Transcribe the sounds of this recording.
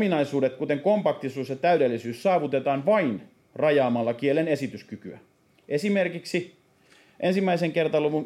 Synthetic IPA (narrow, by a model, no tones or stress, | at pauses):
minɑisuːdet̪̚kut̪eŋkompɑk̚t̪isuːsjɑt̪æydelːisyːssɑːʋut̪et̪ɑːnʋɑin | rɑjɑːmɑlːɑkielene̞sit̪yskykyæ̰ | ʔesimerkiksi | ʔensimːæiseŋkert̪ɑluʋun